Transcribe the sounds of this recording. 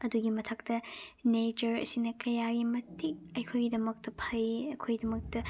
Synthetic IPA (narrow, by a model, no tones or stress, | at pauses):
ɐduɡimɐtʰɐk̚tɐnet͡ʃɐɾɐ̰sinɐkɐjaɡimɐtik̚ɐjkʰojɡidɐmɐk̚tɐpʰɐjɐkʰojidɐmɐk̚tɐ